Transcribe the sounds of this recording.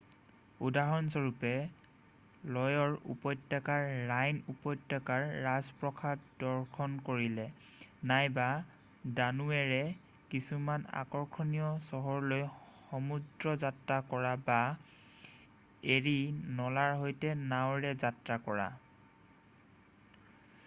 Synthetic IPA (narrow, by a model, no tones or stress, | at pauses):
udaɦɔnsɔɹupɛ | lɔjɔɹṵpɔjdakaɹːajnupɔjtːɔkaɹːazpɹɔkʰadɔɹkʰɔnkoɹilɛ | najba | danuɛɹɛ | kisumana̰kɔɹkʰɔnijɔsɔɦɔɹlojxɔmudɹɔzatɹakɔɹaba | eɹinɔlaɹɦojtɛnawɹɛzatɹakɔɹa̰